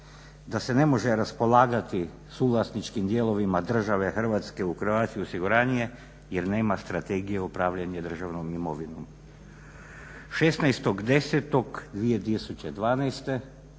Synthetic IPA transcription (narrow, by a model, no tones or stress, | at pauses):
d̪ase̞ne̞mo̞ʒeɾaspo̞lˠaːɡat̪i | suːlˠasnit͡ʃkimd̪jelˠo̞ʋimad̪r̩ʒaʋe̞xr̩ʋaːt̪ske̞uxr̩ʋaːt̪skiosiɡuɾaːnije̞ | jeɾne̞ːmast̪ɾat̪eɡijeupɾaːʋʎaɲed̪r̩ʒaʋnomimoʋino̰m | ʃesnajst̪o̞ɡd̪e̞set̪o̞ɡd̪ʋije̞t̪̬isut͡ɕed̪ʋaːnajst̪e̞